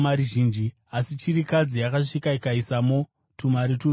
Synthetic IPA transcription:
maɾiʒiːnd͡ʒi | asit͡ʃiɾikad͡zijakaʂikaikaisamo | tumaɾitu

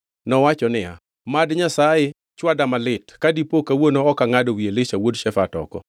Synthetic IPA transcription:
nɔwat͡ʃɔnɪa̰ | madɲasaje | t͡ʃwadamalɪtkadipokawonoːkaŋadowielɪʃawodʃɛfatɔ̰kɔ̰

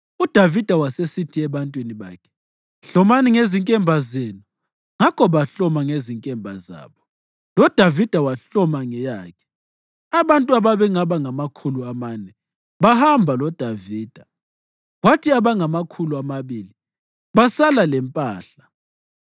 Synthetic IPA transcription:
ud̥ʱavid̥ʱawasesitʰiɛβantʼwiniβa̰ːkʰɛ̥ | ɬɔmaniŋeziŋkʼɛmbʱazenu | ŋakʰɔβaɬɔmaŋeziŋkʼɛmbʱa̰za̰ːβɔ | lɔd̥ʱavid̥ʱawaɬɔmaŋɛjaːkʰɛ̥ | aβantʼuaβaβɛŋaβaŋamakʰuluamaːnɛ | βahambʱalɔd̥ʱaviːd̥ʱa | ɣwatʰiaβaŋamakʰuluamaβili | βasalalɛmpʼaːɬa

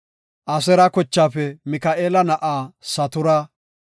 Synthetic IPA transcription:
ʔɐs̬ɛɾɐkɔt͡ʃːaːfɛmɪkaʔeːlɐnɐʔaːsɐt̪ʊɾa

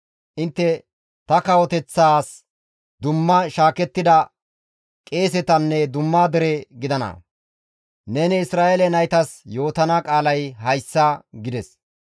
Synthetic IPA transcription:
ʔɪnt̪ːɛ | t̪ɐkɐwɔt̪ɛt͡sːaːs | d̪ʊmːɐʃaːkɛt̪ːɪd̪ɐ | kʼe̞ːs̬ɛt̪ɐnːɛd̪ʊmːaːd̪ɛɾɛɡɪd̪ɐnɐ̰ | nɛnɛɪsɾaːʔelɛnɐjt̪ɐsjo̞ːt̪ɐnɐkʼaːlɐjhɐjsːɐɡɪd̪ɛs

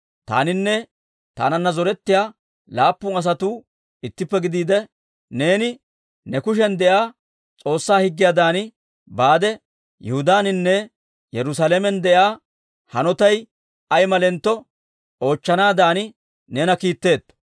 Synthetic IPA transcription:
t̪a̰ːnɪnːɛ | t̪a̰ːnɐnːɐzɔɾɛt̪ːɪjaː | laːpːʊnɐs̬ɐt̪uː | ɪt̪ːɪpːɛɡɪd̪iːd̪ɛ | ne̞ːnɪ | nɛkʊʃ̬ɛnd̪ɛjaː | t͡sʼo̞ːsːaːhɪɡːɪjaːd̪aːnɪ | baːd̪ɛ | jɛhʊd̪aːnɪnːɛ | jɛɾʊs̬alɛmɛnd̪ɛʔaː | hɐnɔt̪ɐj | ɐjmɐlɛnt̪ːɔ | o̞ːt͡ʃːɐnaːd̪aːnɪ | nɛnɐkiːt̪ːe̞ːt̪ː

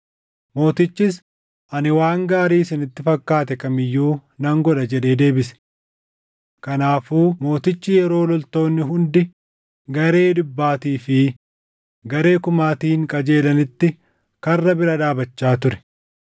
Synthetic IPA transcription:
mo̞ːt̪ɪt͡ʃːɪs | ʔɐnɪwaːŋɡaːɾiːsɪnɪt̪ːɪfɐkːaːt̪ɛkɐmɪjːuːnɐŋɡɔᶑ̪ɐd͡ʒɛᶑe̞ːd̪e̞ːbɪsɛ̥ | kɐnaːfuːmo̞ːt̪ɪt͡ʃːɪjɛɾo̞ːlɔlt̪o̞ːnːɪɦʊnd̪ɪ | ɡɐɾe̞ːd̪ʊbːaːt̪iːfɪ | ɡɐɾe̞ːkʊmaːt̪iːŋkʼɐd͡ʒe̞ːlɐnɪt̪ːɪ | kɐrːɐbɪɾɐᶑ̪aːbɐt͡ʃːaːt̪ʊɾɛ̥

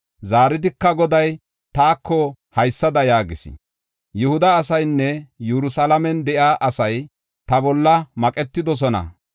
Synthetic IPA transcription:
zaːɾɪd̪ɪkːɐɡɔd̪ɐj | t̪aːkːɔ | hɐjsːɐd̪ɐjaːɡɪsɪ̰ | jʊhʊd̪ɐːsɐjnːɛjuɾʊsɐlɐmɛnd̪ɛʔjaːʔɐsɐj | t̪ɐbɔlːɐmɐkʼɛt̪ːɪd̪ɔs̬ɔnɐ̰

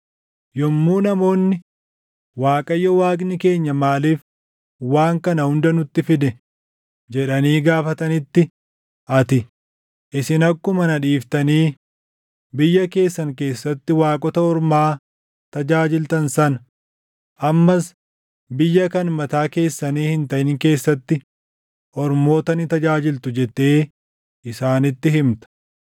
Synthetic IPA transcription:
jɔmːuːnɐmo̞ːnːɪ | waːkʼɐjːɔwaːkʼnɪke̞ːɲːɐmaːliːf | waːŋkɐnɐhʊnd̪ɐnʊt̪ːɪfɪd̪ɛ | d͡ʒɛᶑɐniːɡaːfɐt̪ɐnɪt̪ːɪ | ʔɐt̪ɪ | ʔɪsɪnɐkːʊmɐnɐᶑiːft̪ɐniː | bɪjːɐke̞ːsːɐŋke̞ːsːɐt̪ːɪwaːkʼɔt̪ɐɔɾmaː | t̪ɐd͡ʒaːd͡ʒɪlt̪ɐnsɐn | ʔɐmːɐs | bɪjːɐkɐnmɐt̪aːke̞ːsːɐniːhɪnt̪ɐʔɪŋke̞ːsːɐt̪ːɪ | ʔɔɾmo̞ːt̪ɐnɪt̪ɐd͡ʒaːd͡ʒɪlt̪ʊd͡ʒɛt̪ːe̞ː | ʔɪsaːnɪt̪ːɪɦɪmt̪ɐ̥

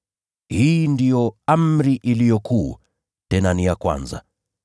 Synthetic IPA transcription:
hiːndijɔamɾiʔilijɔkuː | tɛnanijakwa̰nza̰

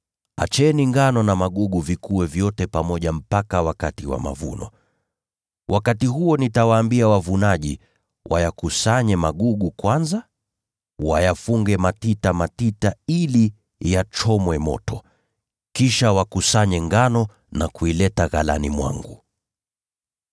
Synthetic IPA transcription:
a̰t͡ʃɛniŋɡanɔnamaɠuɠuvikuwɛvjɔtɛpamɔʄam̩pakawakatiwa̰ma̰vṵnɔ̰ | wʔakatiɦuɔnitawaːmbiawavunaʄḭ | wʔa̰jakusaɲɛmaɠuɠukwanza | wajafuŋɡɛmatitamatitaili | jat͡ʃɔmwɛmɔ̰tɔ | kiʃawakusaɲɛŋɡanɔ | nakuilɛtaɣala̰nimwa̰ŋɡu

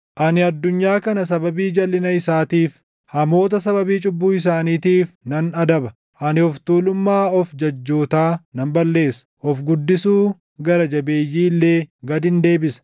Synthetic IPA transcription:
ʔɐnɪɐd̪ːʊɲːaːkɐnɐs̬ɐbɐbiːd͡ʒɐlːɪnɐɪsaːt̪iːf | hɐmo̞ːt̪̬ɐsɐbɐbiːt͡ʃʼʊbːuːɪs̬aːniːt̪iːfnɐnɐd̪ɐbɐ | ʔɐnɪhɔft̪uːlʊmːaːɔfd͡ʒɐd͡ʒːo̞ːt̪aːnɐmbɐlːe̞ːsɐ̥ʔɔfɡʊd̪ːɪsuː | ɡɐɾɐd͡ʒɐbeːjːiːlːe̞ːɡɐd̪ɪnd̪e̞ːbɪsɐ̥

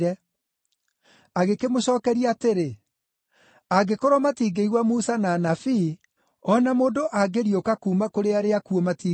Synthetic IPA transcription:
ɛ | aɣekemoɕɔːkɛɾiaateɾe | aɡekoɾɔmatiːɡeiɣwamusanaːnafi | ɔnamoːndoʔaɡeɾiokakuːmakoɾeaɾeakuɔmatiː

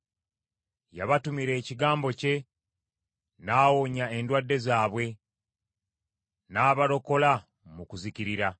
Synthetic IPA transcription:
ja̰βatumiɾe̞ːciɡaːmbo̞ce̞ | naːwoɲae̞ndwadːe̞zaːβwe̞ | naːβalo̞ko̞la | mukuziciɾiɾa

